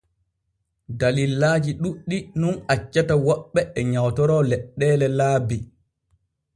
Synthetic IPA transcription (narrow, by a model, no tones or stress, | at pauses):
dalilːaːd͡ʒiɗuɗːinunat͡ʃːatawɔɓːɛɛɲawtɔɾɔlɛɗːɛːlɛlaːbi